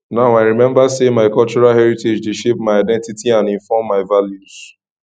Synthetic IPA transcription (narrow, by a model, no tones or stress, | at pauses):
naʊaɪɹimɛ̃mbasemaɪkɔlt͡ʃɔɹalɦɛɹited͡ʒdeʃep̚maɪaɪdɛ̃ntitiãnĩnfɔmːaɪvaljuz̥